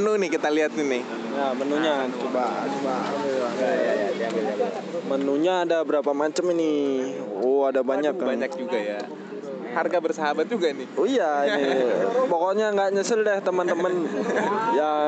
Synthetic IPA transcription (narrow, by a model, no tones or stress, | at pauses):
nunɪhkit̪aliɦat̪̚nɪnɪh | jamənuɲat͡ʃubat͡ʃubalua | aa | mənuɲaːdabəɾapamat͡ʃəmini | oadabaɲakːabŋɲak̚d͡ʒuɡaja | harɡabərsaɦabat̪̚d͡ʒuɡanɪoijainipɔkɔɲaŋɡaʔɲəsɪldɛht̪əmənt̪əmən | ja